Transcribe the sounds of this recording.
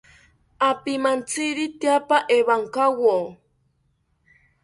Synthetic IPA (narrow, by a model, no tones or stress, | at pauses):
apimant͡siɾit̪japaʔeβaŋkawo